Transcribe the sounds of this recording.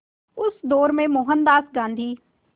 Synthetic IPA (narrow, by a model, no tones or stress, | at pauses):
ʊsd̪oːɾmẽmoːɦənd̪aːsɡãːnd̪ʱiː